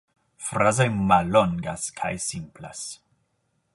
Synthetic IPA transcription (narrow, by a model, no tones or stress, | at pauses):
fɾazojmalːoŋɡa̰skʰa̰jsimpla̰s